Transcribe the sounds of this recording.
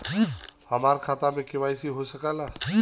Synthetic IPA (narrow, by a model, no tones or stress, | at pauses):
hɐmaːɾkʰaːt̪amẽkɪʋaːisiɦosəkaːlaː